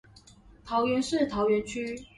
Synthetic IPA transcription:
t̪ʰɑ˨˧˥ʊɥɛ˧˥nʂɻ̩˥˩t̪ʰɑ˨˥ʊɥɛ˧˥nt͡ɕʰy˥

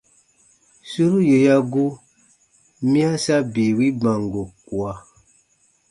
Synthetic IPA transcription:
su˦ɾu˦je˨ja˦ɡu˦ | mĩ˦a˦sa˦bi˨wi˦bã˨ŋɡo˨ku˨a˨

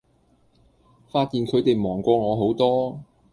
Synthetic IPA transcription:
faː˧t̚jiː˨nkʰɵ˨˧ɥt̪e˨jmɔː˨˩ŋkʷɔː˧ŋɔː˨˧ɦo˨˥wt̪ɔː˥

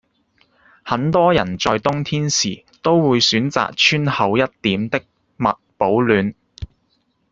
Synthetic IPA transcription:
hɐ˨˥nt̪ɔː˥jɐ˨˩nt͡sɔː˧jt̪ʊ˥ŋt̪ʰiː˥nsḭː˨˩ | t̪o˥wːuː˨˧jsyː˨˥nt͡sa̰ː˨k̚t͡ʃʰyː˥nhɐ˨˧wjɐ˥t̚t̪iː˨˥mt̪ɪ˥k̚ | mɐ˨t̚po˨˥wlyː˨˧n

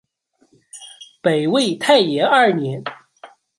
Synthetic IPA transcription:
pe˨˩ɪwe˥˩ɪt̪ʰa˥˩ɪjɛ˧˥ɐ˞˥˩njɛ˧˥n

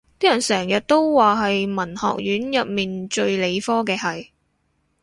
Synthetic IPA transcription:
t̪iː˥jɐ˨˩nsɛː˨˩ŋjɐ˨t̚t̪o˥wwaː˨ɦɐ˨jmɐ˨˩nhɔ̰ː˨k̚jyː˨˥njɐ˨p̚miː˨nt͡ʃɵ˧ɥle˨˧jfɔː˥kɛː˧hɐ˨j

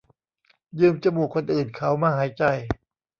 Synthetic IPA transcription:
jɯː˧mt͡ɕa˧muː˨˩kʰo˧nʔɯː˨˩nkʰa˦˥wmaː˧˩ɦaː˩˦jt͡ɕa˧j

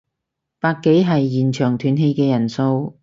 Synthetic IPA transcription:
paː˧k̚kːe˨˥jɦɐ˨jːiː˨˩nt͡ʃʰœː˨˩ŋt̪ʰyː˨nɦe˧jkɛː˧jɐ˨˩nso˧w

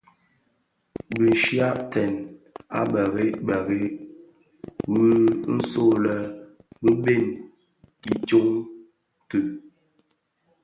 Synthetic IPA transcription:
bi˨ʃja˦ʔtɛ˨na̰˦bə˨ɣe˦bə˨ɣe˦ | wu˦n̩˦so˦˨lə˨ | bə˦be˦˨n | i˨d͡ʒo˦ŋ | tʉ˨

